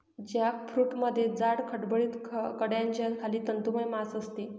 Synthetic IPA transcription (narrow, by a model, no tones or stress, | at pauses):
d͡ʑjakfɾuːʈməd̪ʱːjed͡zaɽkʰəʈbəɭiːt̪ʰkəɽjãnd͡ʑankʰaliːt̪ənt̪uməjmasəst̪e